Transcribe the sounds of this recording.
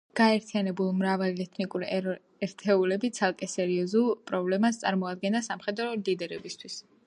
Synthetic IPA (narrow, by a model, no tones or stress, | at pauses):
ɡ̥aɛɾt̪ʰianɛbulˠmɾavaliɛt̪ʰnikʼuɾ | ɛɾt̪ʰɛulɛbit̪sʰalˠkʼɛsɛɾiɔzulˠpʼɾɔblɛmast̪sʼaɾmɔad̪ɡɛnd̪asamχɛd̪ɾɔlid̪ɛɾɛbist̪ʰwis